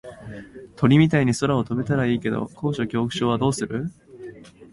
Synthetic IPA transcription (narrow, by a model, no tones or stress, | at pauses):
t̪ʰo̞ɾʲimʲit̪aiɲ̟iso̞ɾao̞t̪o̞be̞t̪aɾaiːke̞d̪o̞̰kʰo̞ːɕo̞kʲo̞ːkɯ̟ɕo̞ːβad̪o̞ːsɨɾɯ̟